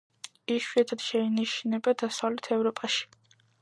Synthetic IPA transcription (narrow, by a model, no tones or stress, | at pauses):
iʃwiɛt̪ʰad̪̥ʃɛiniʃnɛbad̪asavlɛt̪ʰɛvɾɔpʼaʃi̥